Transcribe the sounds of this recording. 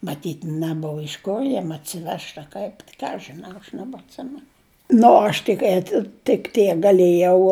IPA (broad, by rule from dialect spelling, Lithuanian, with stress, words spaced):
mɐˈtʲiːtʲ nʲɛˈboːʋɐ ɪʃ ˈkoː ˈjiɛm ɐtʲsʲɪˈʋʲɛʃt ɐ ˈkɐɪp ˈkɑː ɐʃ ʒʲɪˈnɐʊ ɐʃ nʲɛbɐtʲˈsʲɪmʲɛnʊ ˈnʊ oː ˈɐʃ tʲɪk ˈæːtʲɪ tʲɪk ˈtʲiɛk ɡɐˈlʲeːjɛʊ